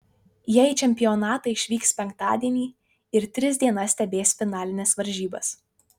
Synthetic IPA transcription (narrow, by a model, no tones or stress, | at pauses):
jɛt͡ʃʲɛmʲpʲɪjɔnɑːt̪ɐɪɪʃʲʋʲiːkspʲɛŋk̚t̪ɑ̰ːd̪ʲiɛnʲiː | ɪɾt̪ʲɾʲɪzʲd̪ʲiɛnɐsʲt̪ʲɛbʲeːsʲfʲɪnɑːlʲɪnʲɛsʋɐɾʲʒʲiːbɐ̰s